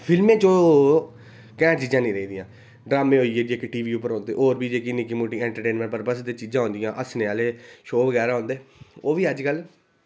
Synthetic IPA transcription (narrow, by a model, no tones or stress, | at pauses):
pʰɪlmẽːt͡ʃõː | kɛ̃ːt͡ʃiːd͡ʒãːnĩːɾəiːd̪ijãː | ɖɾaːmẽːɦoːieːd͡ʒeːkʈiːʋiːʊpəɾɔ̃ːnd̪ḛːʔoːɾbiːd͡ʒeːkinikiːmuːʈĩɛ̃ːɳʈəɾʈeːnmɛ̃ɳʈpəɾpəsd̪eːt͡ʃiːd͡ʒãːõːnd̪ɪjãːʔəsneːaːleːʃoːʋəɡɛːɾaːɦõːnd̪eːoːʋiːəd͡ʒkəl